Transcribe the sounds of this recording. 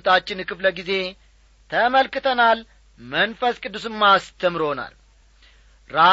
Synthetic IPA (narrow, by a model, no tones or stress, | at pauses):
t̪ʰat͡ʃːɪnkɨfləɡize̞ | t̪ʰəməlkɨt̪ʰənal | mənfəskʼɨd̪ːusɨmːast̪ʰəmɾona̰l | ɾa